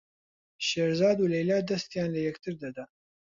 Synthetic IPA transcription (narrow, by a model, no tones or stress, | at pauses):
ʃeːɾzɑːd̪ulɛjlaːd̪ɐst̪jaːnlɐjɛkt̪ʰɨɾd̪ɐd̪ɐ